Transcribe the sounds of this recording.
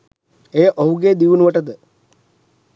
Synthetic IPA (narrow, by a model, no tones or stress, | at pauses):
ejəʔoɦuɡeːd̪iʋunuʋəʈəd̪ə